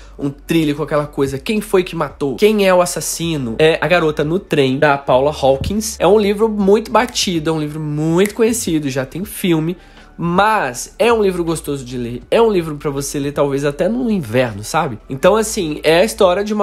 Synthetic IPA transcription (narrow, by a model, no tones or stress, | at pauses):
ṵ̃t̪ɾilɪkawkɛlɐkojzɐkẽj̃fojkɪmat̪owkẽj̃ɛʊasasĩnʊɛʔɐɡaɾot̪ɐnʊt̪ɾẽj̃d̪ɐpawlɐhɔwkĩsɛ̰ũlivɾʊmũj̃t̪ʊbat͡ʃid̪ʊɛũlivɾʊmũj̃t̪ʊ̥kõɲesid̪ʊʒat̪ẽj̃fiwmɪ | mɐzɛũlivɾʊɡost̪ozʊd͡ʒɪleɾɛũlivɾʊpɾɐvoseleɾt̪awvezat̪ɛnʊĩvɛɾnʊsabɪẽnt̪ɐ̃w̃asĩɛɐist̪ɔɾiɐd͡ʒɪũmɐ